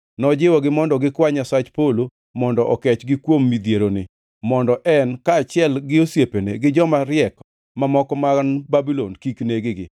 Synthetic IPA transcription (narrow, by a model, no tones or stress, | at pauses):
nɔd͡ʒɪwɔɡɪmɔndɔɡɪkwaɲasat͡ʃpolo | mɔndɔʔɔkɛt͡ʃɡɪkwomːid̪jeɾonɪ | mɔndɔʔɛnkaːt͡ʃɪɛlɡɪosjepenḛɡɪd͡ʒɔmaɾɪjɛk | mamɔkɔmanbabilonkikneɡɪɡɪ̰